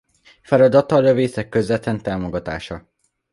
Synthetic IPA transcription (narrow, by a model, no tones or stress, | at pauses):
fɛɾɒd̪ɒt̪ːɒːløveːsɛkːøzɛt̪ɛnt̪aːmo̞ɡɒt̪a̰ːʃɒ